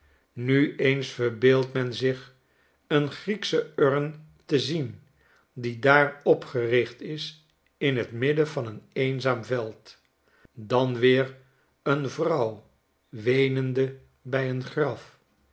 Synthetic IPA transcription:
nyejnsfəɹbeːlˠtmɛnzɪχ | ənχriksəøɹn | təzin | didaːɹɔpχərɪχtɪs | ɪnɦətmɪdəvɑnənejnzaːmvɛlˠt | dɑnʋɪːɹ | ənvrʌw | ʋejnəndə | bɛjənχrɑf

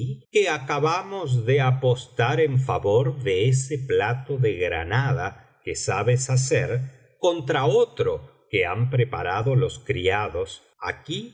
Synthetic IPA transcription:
keakaβamozðeapost̪aɾeɱfaβoɾðeeseplat̪oðeɣɾa̰naða | kesaβesaseɾ | kont̪ɾaot̪ɾokea̰mpɾepa̰ɾaðo̞loskɾḭaðos | a̰ki

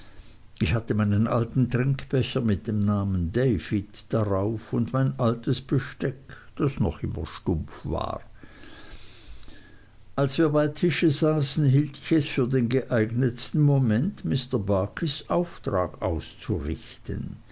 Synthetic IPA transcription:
ʔɪçhatəmaɪnənʔa̰ltn̩tʁ̥ɪŋkb̥ɛçɐmɪt̚d̥eːmnaːməndeɪfitd̥aʁaʊfʊndmaɪnʔaltəsb̥əʃtɛkd̥asnɔ̰χʔɪmɐ̰ʃtʊmp͡fva̰ːʁ | ʔalsv̥iːɐbaɪtʰɪʃəzaːsn̩ɦiːltɪ̥çɛsfyːɐdeːnɡəʔaɪɡnətstn̩momɛntmɪstɐbaːkʰisʔaʊftʁaːɡa̰ʊst͡suʁɪ̰çtə̰n

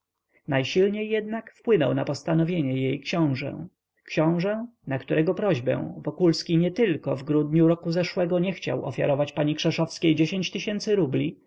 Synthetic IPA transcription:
najɕilɲejːɛd̪nakfpwɘnɔ̰wnapɔst̪anɔvʲjeɲɛjejkɕɔ̃w̃ʐɛ̰̃ | kɕɔ̃w̃ʐɛnakt̪uɾɛɡɔpɾɔʑbɛ̰̃vɔkulskʲiɲɛt̪ɘlkɔvɡɾud̪ɲuɾɔkuzɛʂwɛɡɔɲɛxt͡ɕa̰wʔɔ̰fʲja̰ɾɔvat͡ɕpaɲikʂɛʂɔfskʲejd͡ʑeɕẽɲt͡ɕt̪ɘɕɛnt̪sɘɾublʲi

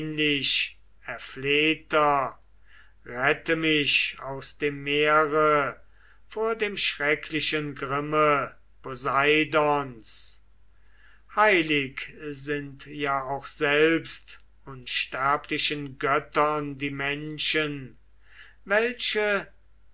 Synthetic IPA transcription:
nlɪʃ | ɛɐfleːtɐ | ʁɛtəmɪʃaʊsd̥eːmːeːɐʁə | foːɐdeːmʃʁɛkʰlɪʃənɡʁɪmə | pozaɪdɔns | haɪlɪkzɪntjaːaʊxz̥ɛlpst | ʊnʃtæɐpʰlɪʃənɡœtɐndiːmɛnʃən | vɛlʃə

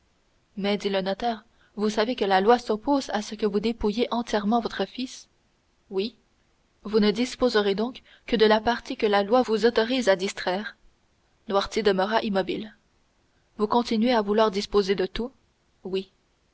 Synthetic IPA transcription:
mɛd̪ilənɔt̪ɛːʁ | vusavekəlalwasɔpozasəkəvud̪epujeʔɑ̃t̪jɛʁmɑ̃vɔt̪χəfis | wi | vunəd̪ispozəʁed̪ɔ̃k | kːəd̪əlapaʁt̪ikəlalwavuzɔt̪ɔʁiːzad̪ist̪χɛːʁ | nwaʁt̪jed̪əməʁaʔimɔbil | vukɔ̃t̪inɥeavulwaːʁd̪ispozed̪ət̪u | wi

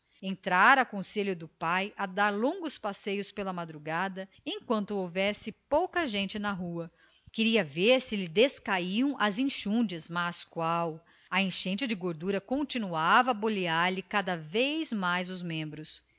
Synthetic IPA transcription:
ẽnt̪ɾaɾɐkõseljʊd̪ʊpajɐd̪aɾlõŋɡʊspasejʊspelɐmad̪ɾuɡad̪ɐ | ẽj̃kwɐ̃nt̪ʊowvɛsɪpowkɐʒẽnt͡ʃɪnɐɦuɐ | kɪɾiɐveɾsɪlɪd̪eskaiɐ̃w̃ʔɐzĩʃũd͡ʒɐzmaskwaw | ɐẽʃẽnt͡ʃɪd͡ʒɪɡoɾd̪uɾɐkõnt͡ʃinuavɐːboliaɾlɪkad̪ɐvejzmajzʊzmẽmbɾʊs

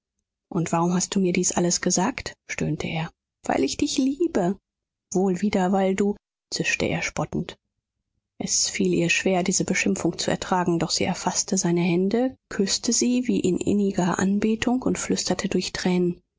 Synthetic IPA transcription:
ʔʊntv̥aʁʊmɦast̚d̥uːmiːɐdiːsʔaləsɡ̥əzaːktʃtøːntʰəʔeːɐ | v̥a̰ɪlɪçd̥ɪçliːbə | v̥oːlviːdɐvaɪlduː | t͡sɪʃtə̰ʔḛːɐʃpɔtn̩t | ʔɛsfiːlʔiːɐʃv̥eːɐdiːzəbəʃɪmfʊŋt͡suɛ̰ɐtʁ̥aːɡŋ̩dɔχz̥iːʔɛɐfastəzaɪnəɦɛndəkʰʏstəziːviːʔɪnʔɪ̰nɪɡɐʔa̰nbeːtʰʊŋkʊntflʏstɐtʰədʊɐçtʁ̥ɛːnən

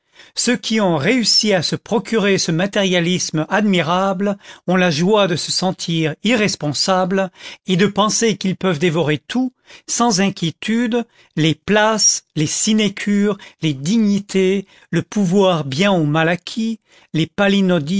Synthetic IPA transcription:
søkʲʰiɔ̃ʁeysiasəpχɔkʲʰyʁesəmat̪ɛʁjalismad̪miʁablɔ̃laʒwad̪əsəsɑ̃t̪ʰiʁiʁɛspɔ̃sabled̪əpɑ̃sekilpœvd̪evɔʁet̪u | sɑ̃zɛ̃kʲʰjet̪yd̪ | leplaslesinekʲʰyʁled̪iɲit̪ʰe | ləpuvwaʁbjɛ̃omalakʲʰi | lepalinɔd̪i

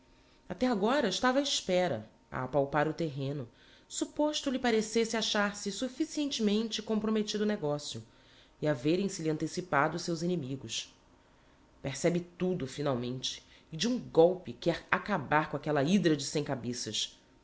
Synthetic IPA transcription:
at̪ɛaɡɔɾɐiʃt̪avɐaiʃpɛɾɐ̰ | ɐ̰apawpaɾʊt̪eɦẽnʊ | supoʃt̪ʊlɪpaɾesesɪaʃaɾsɪsufisiẽnt͡ʃɪmẽnt͡ʃɪkõpɾomet͡ʃid̪ʊneɡɔsjʊ | ɪaveɾẽj̃sɪliɐ̃nt̪esipad̪ʊːsewzinimiɡʊs | peɾsɛbɪt̪ud̪ʊfinawmẽnt͡ʃɪ̥ːd͡ʒiũɡɔwpɪkɛɾakabaɾkõakɛlɐid̪ɾɐd͡ʒɪsẽj̃kabesɐʃ

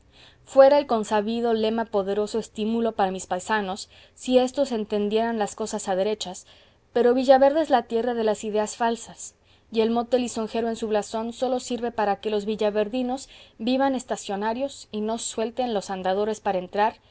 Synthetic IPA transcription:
fwe̞ɾaelko̞nsaβiðo̞le̞mapo̞ðe̞ɾo̞so̞est̪imulo̞paɾamispajsano̞sː | ie̞st̪o̞se̞nt̪e̞nd̪je̞ɾanlasko̞sasaðe̞ɾe̞t͡ʃas | pe̞ɾo̞βiʝaβe̞ɾðeezlat̪je̞raðe̞lasiðe̞asfalsas | ie̞lmo̞t̪e̞liso̞ŋxe̞ɾoe̞nsuβlaso̞nso̞lo̞siɾβe̞paɾake̞lo̞zβiʝaβe̞ɾðino̞zbiβane̞st̪asjo̞naɾjo̞sino̞swe̞lt̪enlo̞sand̪að̞o̞ɾe̞spaɾaent̪ɾaɾ

